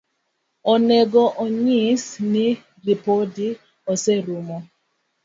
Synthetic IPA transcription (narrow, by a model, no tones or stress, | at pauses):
ɔnɛɡɔʔoɲisni | ripodi | ɔsɛɾumɔ